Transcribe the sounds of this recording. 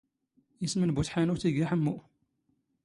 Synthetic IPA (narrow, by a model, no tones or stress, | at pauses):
jismənbut̪ħanuθiɡæħəmːu